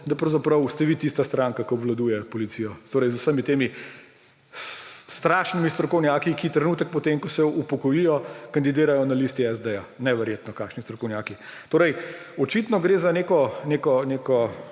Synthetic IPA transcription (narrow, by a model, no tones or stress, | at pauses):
d̪ɐpɾɐwzapɾɐwst̪ɛʋit̪ist̪ast̪ɾaŋkakɔɔbʋlad̪uːjɛpɔlit̪sijɔt̪oːɾɛjzusəmit̪eːmi | st̪ɾaʃnimist̪ɾɔkɔwnjaːkikit̪ɾɛnuːt̪ək̚pɔt̪eːmkɔsɛupɔkɔjijɔkɐnd̪id̪eːɾajɔnalist̪iɛzd̪ɛjanɛʋɛɾjeːt̪nɔkaːkʃnist̪ɾɔkɔwnʲjaːkit̪oːɾɛj | ɔt͡ʃit̪nɔɡɾeːzaneːkɔneːkɔneːkɔ